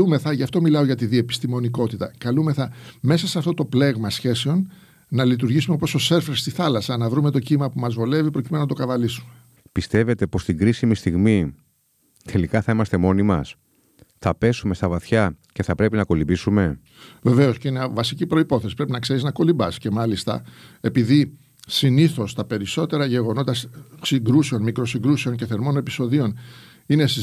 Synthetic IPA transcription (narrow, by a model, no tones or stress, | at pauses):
ume̞θɐʝɐft̪o̞milɐo̞ʝɐt̪iðie̞pi̥st̪imo̞niko̞t̪it̪ɐkɐlume̞θɐme̞sɐseɐft̪ot̪o̞ple̞ɣmɐsçe̞se̞o̞n | nɐlit̪̬uɾʝisumeopo̞so̞se̞ɾfeɾst̪iθɐlɐsɐnɐvɾume̞t̪o̞cimɐpumɐzvole̞vipɾo̞cimennɐt̪o̞kɐvɐlisume | pist̪e̞ve̞t̪e̞po̞st̪iŋɡɾisimist̪iɣmi | t̪ʰe̞likɐθɐimɐst̪e̞mo̞nimɐs | θɐpe̞sume̞st̪ɐvɐθçɐce̞θɐpɾe̞pinɐko̞libisume̞ | ve̞ve̞o̞sceinɐvɐsicipɾo̞ipo̞θe̞si̥pɾe̞pinɐkse̞ɾiznɐko̞libɐsce̞mɐlist̪ɐ̰e̞piði | siniθo̞st̪ɐpe̞ɾiso̞t̪e̞ɾɐʝe̞ɣo̞no̞t̪ɐsiŋɡɾuseo̞nmikɾo̞siŋɡɾuseo̞ɲce̞θe̞ɾmo̞ne̞pi̥so̞ðio̞n | ine̞s